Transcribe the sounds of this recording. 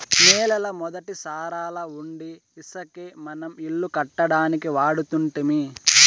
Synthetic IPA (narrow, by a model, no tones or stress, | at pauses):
mɛːlɐlɐmɔd̪ɐʈisaːɾaːlɐuɳɖi | isɐkemɐnɐmiɭːukɐʈːɐɽaːnikiʋaːɽut̪uɳʈimi